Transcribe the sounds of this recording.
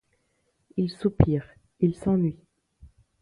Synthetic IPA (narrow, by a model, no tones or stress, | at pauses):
ilsupiːʁ | ilsɑ̃nɥi